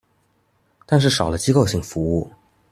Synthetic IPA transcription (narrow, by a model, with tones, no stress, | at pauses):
t̪a˥˧nʂ̬ɻ̩˥˩ʂɑ˨˩ʊlə˦t͡ɕi˥ko˥˧ʊɕi˥˩ŋfu˧˥u˥˩